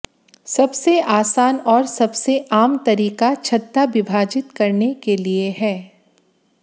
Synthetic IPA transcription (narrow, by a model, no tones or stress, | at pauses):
sɐbseaːsaːnɔːɾsɐbseʔaːmt̪ɐɾiːkat͡ʃʰɐt̪ːabɪbʱaːd͡ʒɪt̪kɐɾnekelieɦɛː